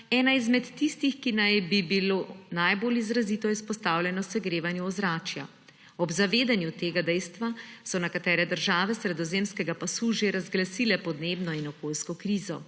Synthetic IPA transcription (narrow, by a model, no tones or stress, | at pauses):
ɛːnaizmɛt̪ːist̪ixkinajbibiloːnajbolizɾaziːt̪ɔjɛispɔst̪aːwlʲjɛnɔsɛɡɾeːʋanjuɔzɾaːt͡ʃja̰ | ɔbzaʋeːd̪anjut̪eːɡad̪ɛjst̪ʋasɔnɛkat̪ɛːɾɛd̪əɾʒaːʋɛsɾɛd̪ɔzeːmskɛɡapasuʒeɾazɡlasiːlɛpɔd̪neːbnɔinɔkoːlskɔkɾiːzɔ